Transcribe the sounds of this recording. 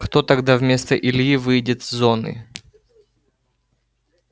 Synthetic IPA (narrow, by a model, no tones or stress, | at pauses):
xt̪ot̪ɐɡd̪avmʲe̞st̪əʔɪlʲjivɨjdʲɪt̪zʲzo̞nɨ̰